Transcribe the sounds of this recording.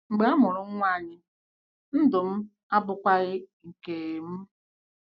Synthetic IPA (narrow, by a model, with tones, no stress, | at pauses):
ŋ͡m̩˨ɡ͡be˨a˦mʊ˨ɾʊ˨ŋ̩˦ŋʷa˦˨ɲɪ˦ | n̩˦dʊ˨m̩˦ | a˦bʊ˦kʷa˦ɣɪ˦ŋ̩˨ke˨m̩˦